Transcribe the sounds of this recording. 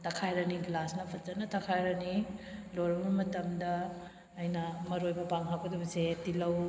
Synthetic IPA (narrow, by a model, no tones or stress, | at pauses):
tɐkʰajɾɐniɡlasnɐpʰɐt̚zɐnɐtʰɐkʰajɾɐniloɾɐmɐmɐtɐmdɐː | jnɐmɐɾojbɐpaŋɦaɐdɐbɐsetilɐw